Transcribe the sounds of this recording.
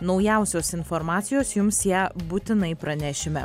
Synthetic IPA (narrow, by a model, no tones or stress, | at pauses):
nɒʊjɛˑʊsʲoːsɪnfɔɾmɑːt̪sʲɪjoːsjʊmsjæːbuːt̪ʲɪnɐɪpɾɐnʲæːʃʲɪmʲɛ